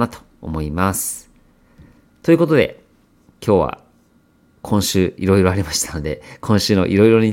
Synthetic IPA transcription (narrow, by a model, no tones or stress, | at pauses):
at̪o̥ | o̰mo̞imasɨ̥ | t̪o̞jɯ̟ko̞t̪̬o̞d̪e̞̰ | kʲʰo̞ːβa̰ | kʰõ̞ɰ̃ɕɨːiɾo̞iɾo̞aɾʲimaɕi̥t̪ʰano̞d̪e̞kʰõ̞ɰ̃ɕɨːno̞̰ʔiɾo̞iɾo̞ɲ̟i